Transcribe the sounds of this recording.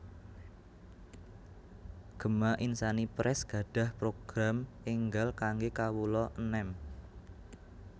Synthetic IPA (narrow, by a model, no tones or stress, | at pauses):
ɡ̥ə̤maʔinsanipɾʔɛsɡ̥ä̤ɖ̥ä̤hpɾoɡ̥ɾameŋɡalkaŋɡekawulɔʔənɛm